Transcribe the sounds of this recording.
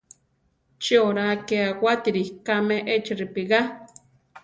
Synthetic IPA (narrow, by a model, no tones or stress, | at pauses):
t͡ʃioɾakeawʷat̪iɾihkameʔet͡ʃiripiɣa